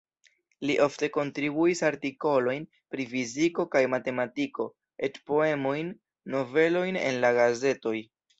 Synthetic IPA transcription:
liʔo̞fte̞ko̞ntɾibuisaɾtiko̞lo̞jn | pɾifiziko̞kajmate̞matiko̞ | e̞tpo̞e̞mo̞jnː | o̞ve̞lo̞jne̞̰nlaɡaze̞to̞j

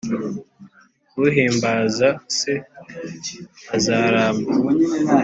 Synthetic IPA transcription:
kuɦiːmbaːzase | azaːɾaːma

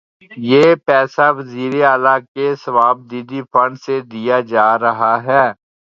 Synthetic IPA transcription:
jeːpɛːsaʋɐziːɾeaːlakesɐʋaːb̚d̪iːd̪ifɐ̃ɳɖsed̪ijad͡ʒaːɾɐɦaɦɛː

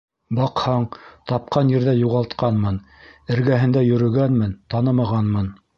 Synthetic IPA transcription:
bɑqhɑɴt̪ɑp̚qɑnjɘ̆ɾðæjuʁɑlˠt̪qɑnmɤn | ɘ̆ɾɡæɦɘ̆nd̪æjɵ̆ɾɵ̆ɡænmɘnt̪ɑnɤmɑʁɑnmɤn

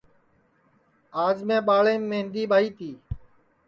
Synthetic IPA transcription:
aːd͡ʒmẽːɓaːɭẽːẽːnd̪iːɓaːiːt̪iː

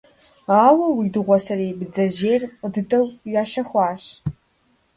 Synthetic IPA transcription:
aːwɐwiːdɨʁʷɔsɐreːbɨd͡zɐʑeːrqʼədɨtʰʼɐwjaːʃɐxʷɑːɕ

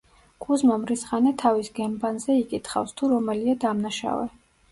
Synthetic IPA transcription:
kʼuzmamɾisχanɛt̪ʰavisɡɛmbanzɛikʼit̪ʰχa̰fst̪ʰuɾɔmɛliad̪amnaʃa̰vɛ̰

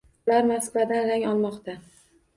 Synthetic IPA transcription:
ʊlaɾmaslad̪anɾaŋɒlˠmɒqt̪ʰa

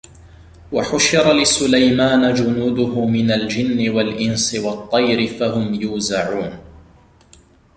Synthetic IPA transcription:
waħʊʃɪɾˤɑlɪsʊlajmaːnad͡ʒʊnuːd̪ʊhʊmɪnald͡ʒɪnːɪwalʔɪnsɪwɑt̪ˤːɑjɾɪfahʊmjuːzaʕuːn

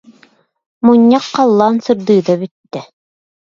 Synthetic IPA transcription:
muɲːɑqːɑlˠːaːnsɯɾd̪ɯːd̪abyt̪ːɛ

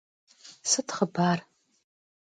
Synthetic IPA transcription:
sɨtχəbaːr

